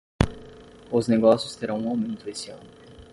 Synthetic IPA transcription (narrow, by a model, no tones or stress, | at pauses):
ʊzneɡɔsjʊst̪eɾɐ̃w̃ũawmẽnt̪ʊesɪɐ̰̃nʊ